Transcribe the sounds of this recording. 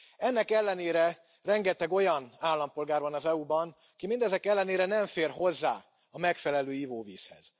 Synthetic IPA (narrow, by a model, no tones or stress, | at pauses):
ɛnːɛkɛlːɛneːɾɛ | rɛŋɡɛt̪ɛɡo̞jɒnaːlːɒmpo̞lɡaːrvɒnɒzɛubɒn | kimind̪ɛzɛkɛlːɛneːɾɛnɛɱfeːrɦo̞zːa̰ː | ɒmɛkfɛlɛløːjiːvoːviːshɛ̰z̥